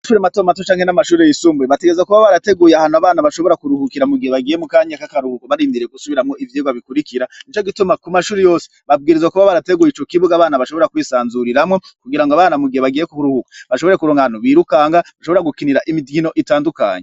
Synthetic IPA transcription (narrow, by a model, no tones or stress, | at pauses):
ʃuɾematomat̬ot͡ʃaːŋhe̞namaʃuːɾejisuːmbueβateɡeezwakuβaβaɾate̞ɡuːjeahaːnuaβaːnaβaʃo̞βo̞ɾakuɾuhukiɾamuɡiheβaɡije̞mukaːɲakakaɾuhukoβaɾiːndiɾeɡusuβiɾamŋoivjeːɡwaβikuɾikiɾanit͡ʃo̞ɡitumakumaʃuːɾejo̞ːse̥βabɡiːɾezwakuβaβaɾate̞ɡuːjit͡ʃo̞kiβuɡaːβaːnaβaʃo̞βo̞ɾakwiːsaːnzuɾiɾamŋo̞kuɡiɾaŋɡoaβaːnamuɡiheβaɡiːje̞kuhuɾuhukḁβaʃoβo̞ɾe̞kuɾoːŋɡahanuβiːɾukaːŋɡaβaʃo̞βoɾaɡukiniɾaʔimidɡino̞ʔitaːnduka̰ːɲe